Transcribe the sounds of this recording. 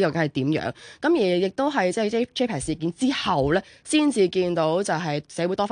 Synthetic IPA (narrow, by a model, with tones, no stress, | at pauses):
jɐ˨wke˨˥ɦɐ˨˩jt̪iː˨˥mjœ̰ː˨˥ŋkɐ˨˥mjiː˨˩jɪ˨k̚t̪o˥wɦɐ˨jt͡sɛː˥˩t͡sɛ˥t̪ʰe˥pʰaː˨˩siː˨kiː˨˥nt͡siː˥hɐ˨wlɛː˥siː˥nt͡siː˧kiː˧nt̪o˨˥wt͡sɐ˨wɦɐ˨jsɛː˨˥wu˨˥jt̪ɔː˥fa˥